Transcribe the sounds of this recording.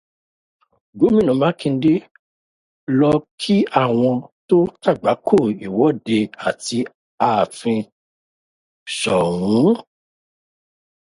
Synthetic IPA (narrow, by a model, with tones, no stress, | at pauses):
ɡo˨˦mĩ˦˨nũ˨mã˨˦kĩ˧n̩˦de˦ | lɔ˧kʰi˦a˦˨w̃ɔ̃˧to˦ta˦˨ɡ͡ba˨˦kʰo˦˨i˨wɔ˨˦de˧a˨ti˧ | a˨fĩ˧ | ʃɔ˨wũ˨˦